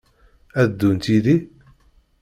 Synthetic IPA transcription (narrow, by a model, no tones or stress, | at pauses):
æðd̪ːunt̪iði